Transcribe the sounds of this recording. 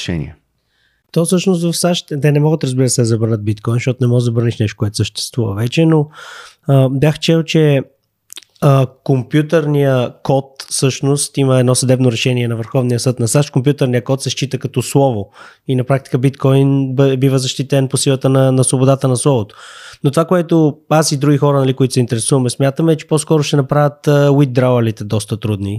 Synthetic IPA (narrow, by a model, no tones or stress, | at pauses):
ʃɛ̰nḭɛ̰ | t̪ɔsɤʃnost̪vɐfsaʃt̪t̪ɛnɛmɔɡət̪ɾəzbiɾəsɛzɐbəɾnəd̪̚bit̪kɔjnʃt̪ɔt̪onɛmɔɡəzɐbəɾniʃnɛʃt̪o̥kʊɛt̪o̥səʃt̪ɛ̥st̪vuvə̰vɛt͡ʃɛno | əbjaxt͡ʃɛlˠt͡ʃɛ | əkompjut̪əɾnijəkɔt̪fsɤʃnost̪iməɛd̪nɔsəd̪ɛbnoɾɛʃɛniɛnɐvəɾxɔvnijəsɤt̪nɐsaʃt̪komp̬ʲjut̪əɾnijəkɔt̪sɛʃt͡ʃit̪əkɐt̪ɔslˠɔvoinɐpɾak̚t̪i̥kəbit̪kɔjnbivəzɐʃt̪it̪ɛnposilˠət̪ənɐnɐsvobod̪at̪ənɐslˠɔvot̪o̥not̪ovakoɛt̪oazid̪ɾuɡʲixɔɾənɐlikoit̪ʊ̥sɛint̪ɛɾɛsuvɐmɛsmʲjat̪əmɛt͡ʃɛ̥pɔskɔɾʊʃt̪ɛnɐpɾavʲət̪əwid̪̚d̪ɾavəlit̪ɛd̪ɔst̪ət̪ɾud̪ni